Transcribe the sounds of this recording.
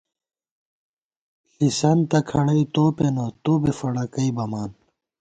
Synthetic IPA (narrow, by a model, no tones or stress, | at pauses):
ɬisɐnt̪ɐkʰɐɽɐit̪oːpenot̪oːbefɐɽɐkɐibɐmaːn